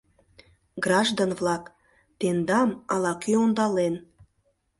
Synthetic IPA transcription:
ɡrɑʒd̪onvlɑk | t̪end̪ɑmɑlɑkyond̪ɑlen

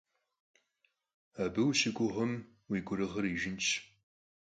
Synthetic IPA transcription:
aːbɨwɕɪɡʷʼʊʁʷʊm | wiːɡʷʊɾɨʁɐɾiːʒɪnt͡ʃʰ

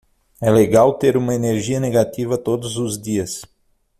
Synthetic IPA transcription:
ɛleɡawt̪eɾũmɐeneɾʒiɐneɡat̪ivɐt̪od̪ʊzʊzd̪iɐs

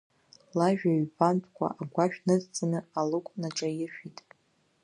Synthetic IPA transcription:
laʒᶣaɥbantʰʼkʷʰʼa̰ʔaɡʷaʃᶣnɨzt͡sʼanɨalɨkʷʼnaʈ͡ʂʼajɪʃᶣitʼ

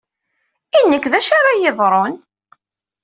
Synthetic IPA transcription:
inːəkːðæʃaɾajɪðˤɾˤon

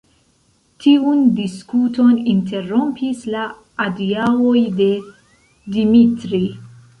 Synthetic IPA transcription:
tʰiundiskuto̞ninte̞ɾo̞mpisla | adiawojde̞ | dimitɾi

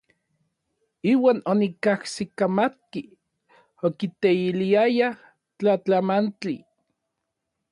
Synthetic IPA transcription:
iːwaːnonikahsikamat̪̚ki | okit̪eiliaja | t͡ɬat͡ɬamant͡ɬi

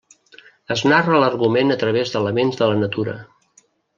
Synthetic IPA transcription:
əznarələrɣumenət̪ɾəβ̞ezðələmenzðələnət̪uɾə̰

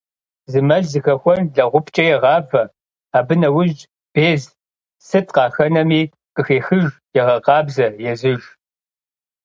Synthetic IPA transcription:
zɨmɐɮzɨxɐxʷɔnɮɐʁʷʊpʰt͡ʃʼɐjɛʁɑːvɐ | aːbɨnɐwʊʒt͡ʃʼ | b̥eːz | sɨtʰʼqɑːxɐnɐmiː | qʼəxeːxɨʒjɛʁɐqɑːbzɐjɛzɨʒ

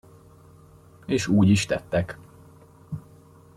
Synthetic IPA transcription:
eːʃuːɟiʃt̪ɛt̪ːɛk

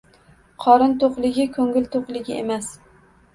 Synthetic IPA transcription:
qʰɒɾɪnt̪oqlˠɪɡʲɪkʰɵŋɪlt̪ʰoqlˠɪɡʲɪḛmas

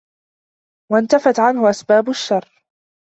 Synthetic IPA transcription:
want̪afat̪ʕanhʊʔasbaːbʊʃːɑrˤː

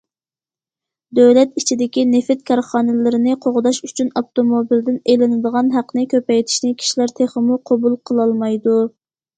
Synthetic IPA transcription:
d̪øwlɛt̪it͡ʃʰid̪ɪkʲinɪfɪt̪̚kʲʰɑɾχɑːnɨlɪɾɪnɪqʰoʁʊd̪ɑʃyt͡ʃʰynoft̪omobild̪ɪnelɪnɪd̪əʁɑnɦæqnɪkʲʰøpɛjt̪ʰi̥ʃnɪkʲʰi̥ʃilæɾt̪ʰeχəmuqʰobulˠqʰəlˠɑlˠmɑjd̪u

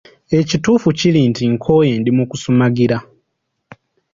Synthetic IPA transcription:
e̞cituːfucilintiŋkʰo̞jeːndimukusumaɡiɾa

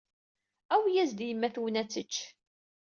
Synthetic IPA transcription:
æwjæzd̪jəmːæθwənæt͡sːət͡ʃː

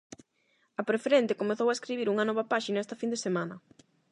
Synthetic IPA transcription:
ɐpɾefeɾent̪ekomeθowaeskɾiβiɾuŋɐnɔβɐpaʃinaɛst̪ɐfind̪esemanɐ

